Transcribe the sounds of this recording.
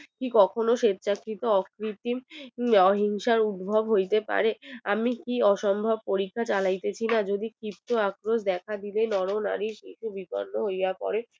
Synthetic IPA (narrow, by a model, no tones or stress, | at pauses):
kikɔkʰonoʃet̪ːt͡ɕakːit̪oɔkɾit̪imɔɦiŋʃaɾud̪bʱobɦojt̪epa̰ɾeamikiɔʃɔmbʱɔb̚poɾikʰːat͡ɕalajt̪et͡ɕʰinad͡ʑod̪ikɾip̚t̪oakɾoʃ̬d̪ɛkʰad̪ilenɔɾona̰ɾiɾkit͡ɕʰubibɔ̰ɾnoɦojapɔ̰ɾe